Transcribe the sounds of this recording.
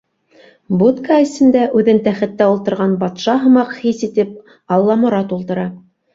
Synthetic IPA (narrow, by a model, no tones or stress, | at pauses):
but̪kɑɘ̆sɘ̆nd̪æʔʉðɘnt̪æχɘ̆t̪ːæulˠt̪ɤ̆ɾʁɑnbɑt̪ʃɑɦɤ̆mɑqhisit̪ɘp | ɑlˠːɑmŏɾɑt̪ulˠt̪ɤ̆ɾɑ